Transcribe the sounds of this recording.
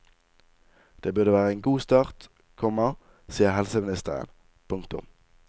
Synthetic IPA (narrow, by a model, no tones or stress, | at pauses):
d̪̥eːbʉʁd̪əʋæːʁəeːnɡuːst̪ɑːʁt̪ | kʰɔmɑ | siːəʁhɛlsəmɪnɪst̪əʁə̰n | pʰʊŋkt̪ʊ̰m